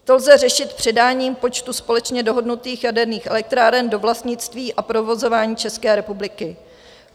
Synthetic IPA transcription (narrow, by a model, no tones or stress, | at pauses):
t̪o̞lzɛrɛʃɪt̪pr̥ɪdaːɲiːmpo̞t͡ʃt̪uspo̞lɛt͡ʃɲɛdo̞ɦo̞dnut̪iːxjadɛɾniːxʔɛlɛk̚t̪ɾaːɾɛndo̞vlast̪ɲɪt͡st̪viːʔapɾo̞vo̞zo̞vaːɲiːt͡ʃɛskɛːɾɛpublɪkɪ